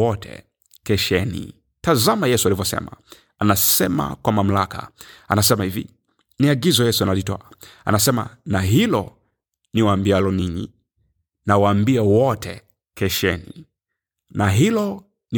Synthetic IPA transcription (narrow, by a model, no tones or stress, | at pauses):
ɔtʰɛ̰ | kɛʃɛnḭ | tazamajɛsualivɔsɛ̰ma̰ | anasɛma̰kwamam̩laka̰a̰nasɛmahivḭ | niaɡizɔjɛsuanalitɔ̰aa̰nasɛma̰naɦilɔ | niwaːmbialɔniɲi | nawaːmbiawɔtʰɛ̰ | kɛʃɛni | naɦilɔ | ni